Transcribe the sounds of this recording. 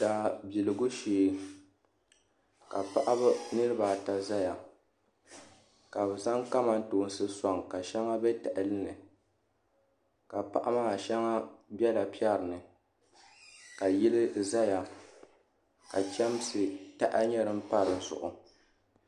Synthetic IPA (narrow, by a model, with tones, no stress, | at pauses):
daː˨bi˨lɨ˨ɡʊ˦ʃeː˨ | ka˨pa˦ʔa˦ba˦nɨ˦ɾɨ˦ba˨ta˨za˦ja˨ | ka˨bza˦ŋka˦ma˦n̩˦toː˨˦n̩˦sɨ˦sɔ˦˨ŋka˨ʃɛ˦ŋa˦bɛ˦tɛ˨ʔɪ˨lɨ˦nɨ˨ | ka˨pa̰˨ʔa˦ma˦a˨ʃɛ˦ŋa˦bɛ˦la˨pi˦ɛ˦ɾɨ˨nɨ˨ | ka˨ji˦lɪ˦za˦ja˨ | ka˨t͡ʃɛ˦msɨ˨ta˦ʔa˦ɲɛ˦ɾɨ˦m̩˦pa˦ɾɨ˨n̩˦zʊ̰˨ʔʊ˨